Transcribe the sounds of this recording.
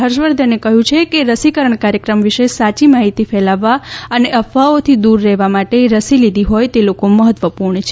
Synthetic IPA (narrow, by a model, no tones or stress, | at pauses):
ɦəɾʃʋəɾd̪ʱənekəɦjũt͡ʃʰekeɾəsikəɾəɳkaɾjəkɾəmʋiʃesat͡ʃimaɦit̪ifɛlaʋːaəneʔəfaot̪ʰid̪uɾːɛɦʋamaʈeɾəsilid̪ʱiɦojt̪elokoməɦət̪ʋəpuɾɳət͡ʃʰe